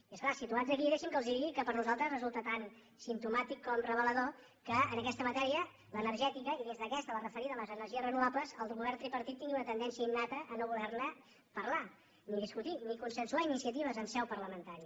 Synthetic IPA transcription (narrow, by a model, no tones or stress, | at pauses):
iəsklasit̪uanzðəkiðɛʃimkəlˠzðiðiɣikəpəɾnuzalˠt̪ɾəzrəzulˠt̪ət̪an | simt̪umat̪ikːɔmrəβələðo | kəːnəkɛst̪əmət̪ɛɾiə | lənəɾʒɛt̪ikəiðezðəkɛst̪ələrəfəɾiðələzənəɾʒiəzrənuβapləzəlˠɣuβɛɾrt̪ɾipəɾt̪it̪ːiŋɡiunət̪ənd̪ɛnsiəinːat̪əʔːnoβuðɛɾnə | pəɾla | niðiskut̪inikunsənsuainisiət̪iβ̞əzənsɛwpəɾləmənt̪aɾi